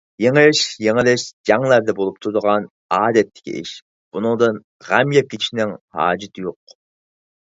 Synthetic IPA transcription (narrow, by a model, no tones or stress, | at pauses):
jeŋɨʃjeŋɪlɪʃd͡ʒɑŋlˠæɾd̪ɛbolˠup̚t̪ʰuɾd̪əʁɑn | ɑːd̪ɛt̪ʰːɪ̥kʲʰḭʔɪ̰ʃ | b̥unʊŋd̪ɨn | ʁæmjɛp̚kʲʰet͡ʃʰi̥ʃnɪŋhɑ̰ːd͡ʒit̪ʰɪjoq